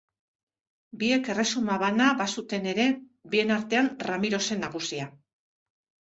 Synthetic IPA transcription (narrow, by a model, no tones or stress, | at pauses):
bie̞ke̞re̞sumaβanaβasut̪e̞ne̞ɾe̞ | bie̞naɾt̪e̞anramiɾo̞se̞naɣusia